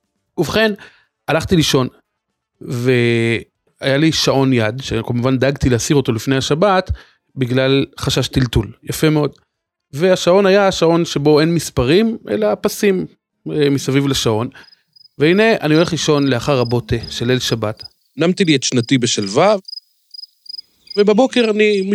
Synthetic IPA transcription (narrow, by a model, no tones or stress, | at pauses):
uvχe̞n | alaχt̪iliʃo̞n | ve | ajaliʃao̞njad̪ʃekolmuvand̪aɡt̪ileasiʁo̞to̞lifne̞jhaʃabat | biɡlalχaʃaʃt̪iltuljafe̞meo̞d̪ | veaʃao̞najaʃao̞nʃe̞bo̞e̞nmispaʁimʔḛlapasim | emisavivleʃao̞n | veine̞ʔa̰niole̞χliʃo̞nle̞aχaʁabo̞t̪eʃelelʃabat | namt̪iliet̪ʃnat̪ibeʃelvav | vebabo̞keʁanim